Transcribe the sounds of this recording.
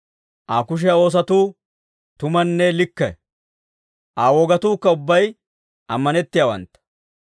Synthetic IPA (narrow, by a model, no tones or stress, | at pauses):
ʔaːkʊʃ̬ɛjɐoːs̬ɐt̪uː | t̪ʊmɐnːɛlɪkːɛ̰ | ʔaːwɔɡɐt̪uːkːɐʊbːɐj | ʔɐmːɐnɛt̪ːɪjaːwɐ̰nt̪ːɐ̥